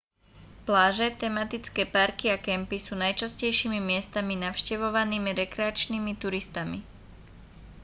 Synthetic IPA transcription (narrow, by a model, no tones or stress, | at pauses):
plaːʒɛt̪ɛmat̪it͡skɛːpaɾkiakɛmpisuːnajt͡ʃascɛjʃiːmimɪɛst̪aminaʊʃcɛʋɔʋaniːmiɾɛkɾɛat͡ʃniːmit̪uɾist̪ami